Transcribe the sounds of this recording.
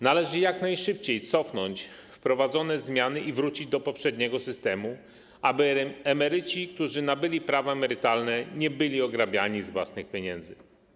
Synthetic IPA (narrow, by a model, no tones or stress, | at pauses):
nalɛʐɘjaknajʂɘp̚t͡ɕejt̪sɔfnɔɲt͡ɕfpɾɔvad̪zɔnɛzmʲjanɘʔivɾut͡ɕid͡ʑd̪ɔpɔpʂɛd̪ɲɛɡɔsɘst̪ɛmu | abɘɛmɛɾɘt͡ɕik̚t̪uʐɘnabɘlʲipɾavaɛmɛɾɘt̪alnɛɲɛbɘlʲiɔɡɾabʲjaɲizvwa̰snɘxpʲjeɲɛnd̪zɘ